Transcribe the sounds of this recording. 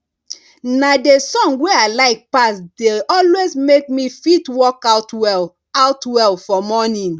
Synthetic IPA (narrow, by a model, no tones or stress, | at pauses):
nadesɔ̃ŋɡweaɪlaɪk̚pasdeɔlwezmek̚mifitwɔkatwɛl | awtwɛlfɔmɔnĩn